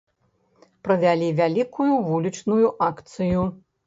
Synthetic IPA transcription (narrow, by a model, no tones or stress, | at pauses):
pɾɐvʲalʲivʲalʲikujuvulʲit͡ʂnujuʔakt̪sɨju